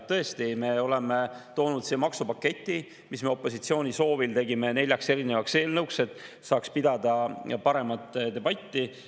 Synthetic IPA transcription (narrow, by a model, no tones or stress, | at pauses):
t̪ɤ̞e̞st̪ime̞o̞le̞met̪o̞ːnud̪siːmɑksupɑkːˑe̞t̪ʲːˑi | misme̞o̞pːˑo̞s̬it̪sio̞ːnʲiso̞ːvilt̪e̞ɡime̞ne̞lʲjɑkse̞ɾine̞vɑkse̞ːlnɤwkse̞t̪ˑ | sɑːkspid̪ɑd̪̥ɑpɑɾe̞mɑt̪ˑːd̪e̞b̥ɑt̪ːi